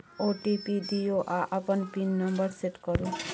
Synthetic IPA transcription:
oʈipiɖioʔaʔapɔnpinːɔmbəɾseʈkɔɾu

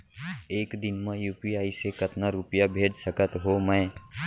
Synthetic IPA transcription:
eːkd̪ɪnmãjuːpiaːisekət̪naɾʊpijabʱeːd͡ʒsəkət̪ɦomɛ̃ː

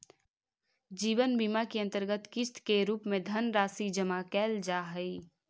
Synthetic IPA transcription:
d͡ʒiːʋənbiːmakiɐ̃nt̪əɾɡət̪kɪst̪keɾuːpmẽd̪ʱənɾaːsid͡ʒəmakɛːld͡ʒaːɦəi

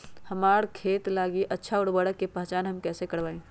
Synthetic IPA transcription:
hɐmaːɾkʰeːt̪laːɡiʔɐtːʃʰaʊɽbəɽəkːepaɦt͡ʃaːnɦɐmkɛːsekɐɽʋaːẽː

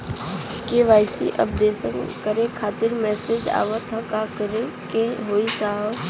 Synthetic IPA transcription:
keʋaːjsḭʔə̰pɖeːsənkəɾekʰaːt̪ɪɾmɛːsed͡ʒa̰ːʋət̪ʰə̃kakəɾe | kẽɦoːisaːɦə

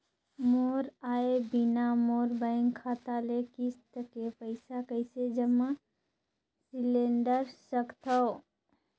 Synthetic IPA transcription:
moːɾaːebinamoːɾbaːɪŋkʰaːt̪alekɪst̪əkepəɪsakəɪsed͡ʒəma | sɪlẽːɳɖəɾsəkt̪ʰə

